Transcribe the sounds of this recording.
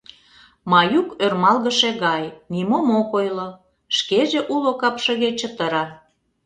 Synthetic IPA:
mɑjukørmɑlɣəʃeɣɑjnimomokojlo | ʃkeʒĕʔulokɑpʃə̆ɣet͡ɕət̪əɾɑ

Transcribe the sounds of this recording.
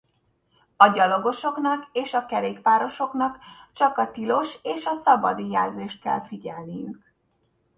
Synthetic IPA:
ɒɟɒlo̞ɡo̞ʃo̞knɒkeːʃɒkɛɾeːkpaːɾo̞ʃo̞kn̪ɒkt͡ʃɒkɒt̪ilo̞ʃeːʃɒsɒbɒ̰d̪ijaːlzeːʃt̪̚kɛ̰lfiɟɛlnijy̰k

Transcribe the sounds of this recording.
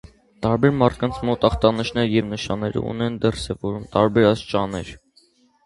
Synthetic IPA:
t̪ɑɾbɛɾmɑrt̪̚ʰkɑnt͡sʰmɔt̪ɑχt̪ɑniʃnɛɾjɛvnəʃɑnːɛɾə̰ṵnɛnd̪ərsɛvɔɾumt̪ɑɾbɛɾɑst͡ʃɑnɛɾ

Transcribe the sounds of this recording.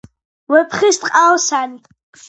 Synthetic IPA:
wɛpʰχist̪ʼqʼawsani

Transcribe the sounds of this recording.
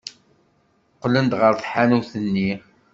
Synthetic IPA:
qːlənd̪ʁəɾθħanuθənːi

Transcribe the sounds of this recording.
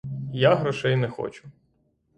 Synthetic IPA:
jaɦɾɔʃɛjnɛxɔ̰t͡ʃʊ̥

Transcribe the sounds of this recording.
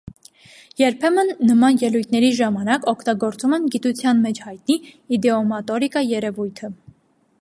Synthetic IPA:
jɛɾpʰɛmənːəmɑnjɛlujt̪ʰnɛɾiʒɑmɑnɑkɔkʰt̪ɑɡɔɾt͡sumɛnɡit̪ut͡sʰjɑnmɛt͡ʃʰhɑjt̪niːd̪ɛɔmɑt̪ɔɾikɑjɛɾɛvujt̪ʰə

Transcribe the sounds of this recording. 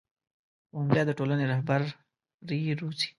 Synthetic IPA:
wombjɑd̪əʈolaneɾahbaɾ | ɾiɾut͡si̥

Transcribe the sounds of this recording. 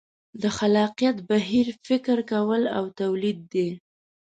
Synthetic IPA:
d̪əxalɑqijat̪baɦiɾfɪkɾkawəlawt̪awlid̪̚ːe

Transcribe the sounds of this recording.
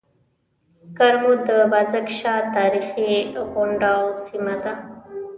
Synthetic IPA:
kaɾmod̪əbazakʃɑt̪ɑɾixiɣʊɳɖasimad̪a

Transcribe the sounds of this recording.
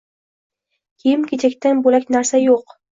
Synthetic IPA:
kʲʰejɪmkʲʰet͡ʃʰakʲt̪anbolakʲnaɾsajoq

